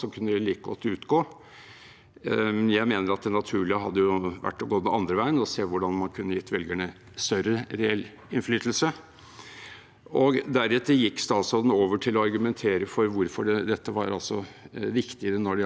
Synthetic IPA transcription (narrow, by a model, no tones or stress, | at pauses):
sɔkʰʉnːəd̪ɪliːkəɡɔ̰t̪ːʉːt̪ɡoː | jæɪmeːnəɾɑt̪̚d̪ɛnːɑt̪ʰʉːɭɪəɦɑd̪ːəjʊʋæ̰ʈːɔɡoːd̪ɛnɑnd̪ɾəʋæɪənɔseːʋʊɖɑnmɑnkʰʉnːəjɪt̪ːʋɛlɡəɳə | st̪œɾəɾɛɛl | ɪnflyːt̪l̩sə | ʔɔɡd̪æɾʉt̪ːəjɪkːst̪ɑːsɔd̪n̩oːʋəʈʰɪlːɔɑɾɡʉmɛnt̪ʰeːɾəfɔɾʋʊɾfɔɖɛd̪ɛt̪ːəʋɑɾɑ̰lsɔʋɪkt̪ɪəɾənɔɖɪ